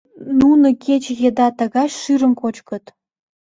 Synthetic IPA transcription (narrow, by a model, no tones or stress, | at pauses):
nunə̆kʰet͡ɕjed̪ɑt̪ə̆ɣɑɕʃyɾə̆mkot͡ɕkə̆t̪